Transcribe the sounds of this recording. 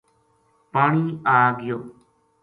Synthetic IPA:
paːɳ̃iːaːɡɪjoː

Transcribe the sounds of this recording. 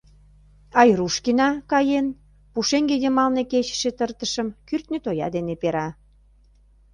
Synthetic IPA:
ɑjruʃkinɑkɑjen | puʃeŋɡejəmɑlneket͡ɕə̥ʃet̪ərt̪əʃəmkyrt̪net̪ojɑ̰d̪enepeɾɑ

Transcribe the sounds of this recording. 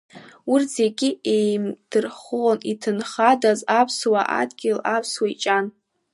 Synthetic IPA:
urze̞ɡʲɪe̞jmd̥ɨrχonitʰɨnχadazapʰswaʔa̰dɡʲɪlapʰswait͡ʃʼan

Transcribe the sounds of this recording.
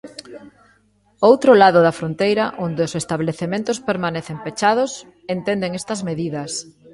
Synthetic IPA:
owt̪ɾolaðʊðɐfɾont̪ejɾɐʔond̪eʊsest̪aβleθemẽnt̪ʊspeɾmanɛθempet͡ʃað̞ʊs | ent̪end̪eŋest̪ɐzmeðiðɐs

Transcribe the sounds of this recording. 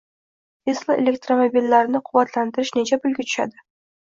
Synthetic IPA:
t̪ʰeslˠɪʔelʲek̚t̪ɾomobilːaɾnɪqʰʊwat̪ʰlant̪ɪɾɪʃne̞t͡ʃʰabʊlɡʲɪt̪ʰʊ̥ʃa̰d̪ɪ

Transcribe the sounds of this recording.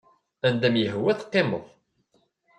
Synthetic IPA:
ænd̪æmjəɦwæθqːemə̰ðˤ

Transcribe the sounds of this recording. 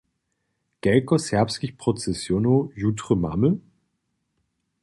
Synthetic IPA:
ɡ̥ɛlkosɛɐpskiçpʁ̥ot͡sɛsjonojutʁ̥əma̰mə

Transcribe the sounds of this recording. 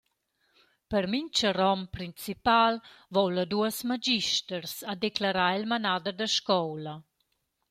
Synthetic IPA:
pəɾmiɲt͡ʃərɔmpɾint͡sipalvɔwləd̪uəsmad͡ʒiʃtəɾsad̪eklaɾailmanad̪əɾd̪əʃkɔwlə

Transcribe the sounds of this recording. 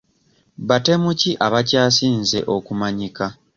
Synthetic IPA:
βate̞muciʔaβacaːsiːnze̞ʔo̞kumaɲika

